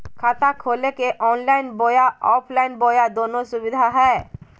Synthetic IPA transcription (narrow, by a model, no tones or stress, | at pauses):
kʰaːt̪akʰoːlekeʔɔːnlaːɪnboːjaɔːpʰlaːɪnboːjad̪oːnosʊbɪd̪ʱaɦɛː